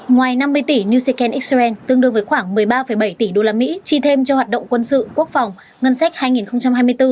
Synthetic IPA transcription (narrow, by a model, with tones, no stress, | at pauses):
ŋwaː˨˩jna˧mːɨ˧əjt̪i˧˩ni˧zi˧kɛ˧nʔi˦˥k̚sɛ˧nt̪ɨ˧əŋɗɨ˧əŋvəː˨˦jxwaː˧˩ŋmɨ˨˩əjɓaː˧fə˧˩jɓə˧˩jt̪i˧˩ɗo˧laː˧mḭ˧˥t͡ɕi˧˩t̪ʰe˧mt͡ɕɔ˧waː˨˩t̚ɗə̰˧˨wŋ͡mkwə˧nsɨ̰˧˨ku˦˥ək̚fa˨˩wŋ͡m | ŋə˧nsa˦˥k̟̚haː˧jŋi˨˩nxə˧wŋ͡mt͡ɕa˧mɦaː˧jm˧əjt̪ɨ˧